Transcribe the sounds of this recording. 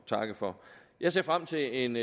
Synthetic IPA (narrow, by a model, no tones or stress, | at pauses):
t͡sʰɑ̈ɡ̥əfɒ̽jɑ̈ɪse̝ɐfʁam̰t͡sʰe̝e̝n